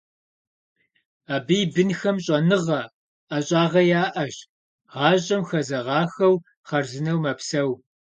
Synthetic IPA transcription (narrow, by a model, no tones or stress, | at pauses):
aːbijbɨnxɐmɕʼɐnɨʁɐ | aɕʼɑːʁɐjaːʔɐɕ | ʁɑːɕʼɐmxɐzɐʁɑːxɐw | χɐrzɨnɐwmɐpsɐw